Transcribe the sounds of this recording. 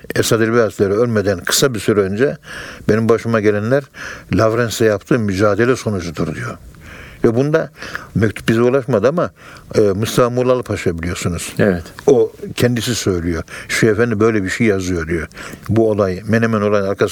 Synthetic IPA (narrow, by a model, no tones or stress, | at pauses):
esad̪ilbiazlʲeɾiølʲmed̪ænkʰɯ̥sabiɾsyɾɛønd͡ʒɛbenimbaʃɯmaɟelʲɛnlʲæɾlʲavɾɛnsɛjapt̪ʰɯːmyd͡ʒaːd̪elʲɛso̞nud͡ʒud̪uɾd̪ijo̞vɛbund̪amɛc̚t̪ʰu̥p̚bizɛulˠaʃmad̪ɯama | must̪ʰafamulˠalˠɯpʰaʃɯjabilʲijo̞sunuz̥ɛvɛt̪ocʰɛnd̪isisø̞jlʲijo̞ʃuɛfɛnd̪ʲibø̞jlʲɛbiʃejjazɯjo̞d̪ijobuolˠajmenemɛno̞lˠajnaɾkʰa